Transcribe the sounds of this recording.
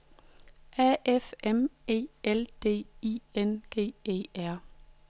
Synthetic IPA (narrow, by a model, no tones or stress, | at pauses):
ʔæefemḛːeld̥e̝̰ːienɡ̥e̝̰ːḛːæɐ̰